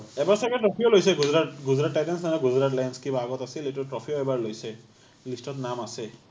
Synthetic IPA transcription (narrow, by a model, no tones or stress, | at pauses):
ɛbaɹsakɛʈɹɔpʰiolojsɛɡuzɹatɡuzɾatːajdensanɛɡuzɾatlajnskibʱaɡɔt̪asiletuʈɹɔpʰioɛbaɹlojsɛ | lisʈɔtnamasɛ